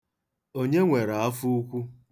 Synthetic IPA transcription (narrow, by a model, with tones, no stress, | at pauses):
o˦ɲe˦ŋʷe˨ɾa˨a˦fu˦u˦kʷu˦